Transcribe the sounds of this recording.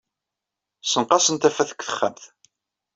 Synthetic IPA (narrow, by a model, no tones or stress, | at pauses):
sənqɑsənt̪æfæθə̥kʷːθə̥χːəmθ